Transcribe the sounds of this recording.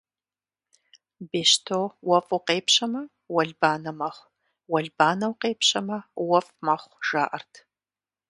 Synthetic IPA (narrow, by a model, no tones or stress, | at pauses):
beːʃtʰowɐfuqeːpɕɐmɐ | wɐɮbaːnɐmɐχʷ | wɐɮbaːnɐwqeːpɕɐmɐwɐfmɐχʷʒ̥aːʔɐrtʰ